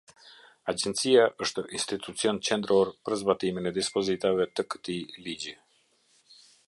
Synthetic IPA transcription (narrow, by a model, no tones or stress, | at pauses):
ad͡ʑɛnt̪t͡siaʔəʃt̪əʔinst̪it̪ut͡siɔnt͡ɕɛnd̪əɾʔɔɾpəɾzbat̪iminɛd̪ispɔzit̪avɛt̪əkə̥t̪ilid͡ʑi